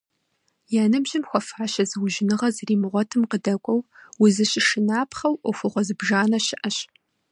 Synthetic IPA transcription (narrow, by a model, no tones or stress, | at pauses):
jaːnɨbʒɪmxʷɔfaːʃɐzɨwʒɪnɨʁɐzɨriːmɨʁʷɔtʰɨmqədɐkʷʼɔwwʊzɨɕɪʃɪnaːpʰχɐwʔɔfʊʁʷɔzɨbʒaːnɐɕɪʔɐɕ